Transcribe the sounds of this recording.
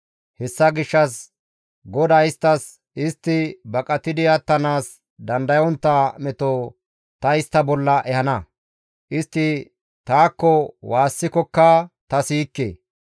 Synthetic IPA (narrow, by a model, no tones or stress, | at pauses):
hɛsːɐɡɪʃːɐs | ɡɔd̪aɪst̪ːɐs | ɪst̪ːɪbɐkʼɐt̪ɪd̪ɪɐt̪ːɐnaːs | d̪ɐnd̪ɐjɔnt̪ːamɛt̪o | t̪ɐɪst̪ːɐbɔlːɐʔɛhɐnɐ | ʔɪst̪ːɪ | t̪aːkːɔwaːsːɪkɔkːat̪ɐsiːkːḛː